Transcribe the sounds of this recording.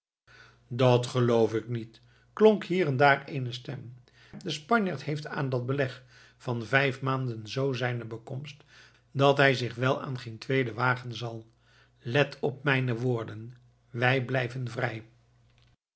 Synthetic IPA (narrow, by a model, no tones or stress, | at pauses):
dɑtχəlowfɪknit | klɔŋkɦiːrɛndaːrejnəstɛm | dəspɑɲjaːɹtɦejfta̰ːndɑd̚bəlɛχ | fɑnvɛjfmaːndənzowzɛjnəbəkɔmst | dɑtɦɛjzɪχʋɛlˠa̰ːnχejntʋejdəʋaːχənzɑlˠ | lɛtʰɔp̚mɛjnəʋʊːɹdən | ʋɛjblɛjvənvrɛj